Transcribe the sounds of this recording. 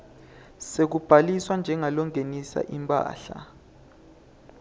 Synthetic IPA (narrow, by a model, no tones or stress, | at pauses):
sek̬ub̥ʱaliswand͡ʒʱɛŋalɔŋʱenisa̰ʔimpʼa̰ːɬa̰